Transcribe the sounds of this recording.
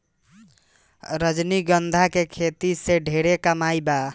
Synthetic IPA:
ɾəd͡ʒniɡənd̪ʱakekʰet̪iseɖʱeɾekəmajba

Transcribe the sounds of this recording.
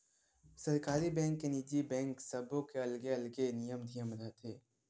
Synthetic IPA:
sɐɾkaːɾibɛ̃ːŋkːenid͡ʒibɛ̃ːŋksɐbʱõkeɐlɡeɐlɡenijəmd̪ʱijəmɾəɦt̪ʰeː

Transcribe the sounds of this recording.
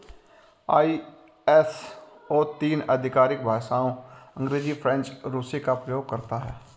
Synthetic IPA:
aːi | ɛs | oːt̪iːnəd̪ʱɪkaːɾɪk̚bʱaːsaːõə̃ŋɡɾeːzipʰɾɛ̃nt͡ʃɾuːsekapɾəjoːɡ̚kɐɾt̪aɦɛː

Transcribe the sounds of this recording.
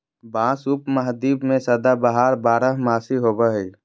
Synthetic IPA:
bãːsupməɦd̪iːbmẽsəd̪abaɦaːɾbaːɾəɦmaːsiɦoːbəɦi

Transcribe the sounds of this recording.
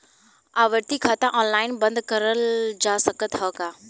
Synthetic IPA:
aːʋəɾt̪ikʰat̪ãʔɔ̃ːnlaːɪnbə̃nd̪kəɾəld͡ʒaːsəkət̪ɦəkaː

